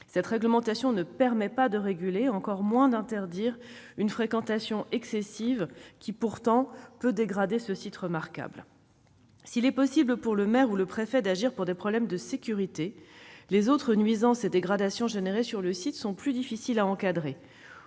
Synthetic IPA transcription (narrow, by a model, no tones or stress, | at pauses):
sɛt̪χɛɡləmɑ̃t̪asjɔ̃nəpɛʁmɛpad̪əʁeɡʲyleɑ̃kɔʁmwɛ̃d̪ɛ̃t̪ɛʁd̪iʁynfχekɑ̃t̪asjɔ̃ʔɛksesivkʲipuʁt̪ɑ̃pød̪eɡʁad̪esəsit̪ʁəmaʁka̰bl | silɛpɔsibləpuʁləmɛʁuləpχefɛd̪aʒiʁpuʁd̪epχɔblɛmd̪əsekʲyʁit̪elezot̪χənɥizɑ̃sed̪eɡʁad̪asjɔ̃ʒeneʁesyʁləsit̪sɔ̃plyd̪ifisilaɑ̃kad̪ʁe